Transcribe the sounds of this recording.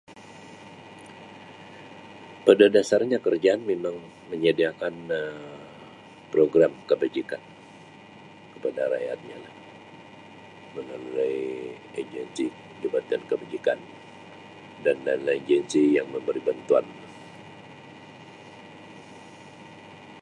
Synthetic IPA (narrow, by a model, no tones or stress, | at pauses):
pədadasarɲakərd͡ʒaːnmemaŋ | məɲadiakanə | pɾoɡɾamkəbad͡ʒikan | kəpadaɾa̰ja̰t̪̚ɲalah | mənolulaj | ed͡ʒɛnsi | əd͡ʒəbat̪ankəbad͡ʒikan | danallad͡ʒɛnsijaŋməmbəɾibant̪uanla